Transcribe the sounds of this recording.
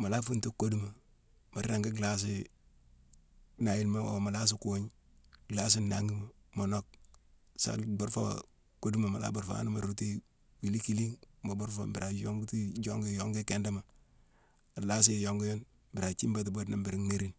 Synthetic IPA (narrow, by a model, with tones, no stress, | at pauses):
ma˨la˦fu˦ntu˦ko˦du˦ma˨ | ma˨ɾɾa˨ŋɡi˦ɡla˦s̬ɪ˦ | na˨ji˦lma˦o˨ma˨la˦s̬ɪ˦ko˦ɲ | ɡla˦s̬ɪ˦nːa˦ŋɡi˦ma˨ | mo˨no˦k̚ | sa̰˨bo˦ɾfo̰˦ | ko˦du˦ma˨ma˨la̰˦bo˨ɾfa̰˦a̰˦n˦ma̰˨ɾu˦ti˦ | wi˨li˦ki˦li˦ŋma˨bu˦ɾfo̰˨bi˨ɾa˨jo˦ŋɡti˦d͡ʒo˦ŋɡi˦jo˦ŋɡi˦ke˦nda˦ma˨ | a˨la˦s̬ɪ˦˨jo˦ŋɡi˦jo˦n | bi˨ɾa˨t͡ʃi˦mba˦t̬i˨bo˦dna˦mbi˨ɾi˦ŋne˦ɾi˦n